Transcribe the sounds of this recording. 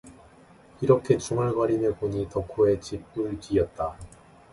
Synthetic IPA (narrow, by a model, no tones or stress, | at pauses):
iɾʌkʰe̞t͡ɕuŋaɭɡwaɾinekoɲitʌkʰoe̞t͡ɕip͈̚ɯɭt͡ɕiʌt̚t͈a